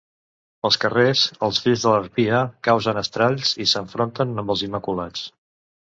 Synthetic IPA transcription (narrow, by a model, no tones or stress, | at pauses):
əlˠskərezəlˠzfiʎzðələɾpiəkawzənəst̪ɾaʎsisəɱfɾont̪ənəmbəlˠzimːəkulat͡s